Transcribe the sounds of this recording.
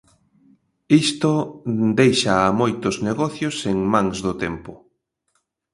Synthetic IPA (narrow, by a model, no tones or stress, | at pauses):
ist̪od̪ejʃaːmojt̪ʊzneɣɔθjʊseŋmãŋzðʊt̪empʊ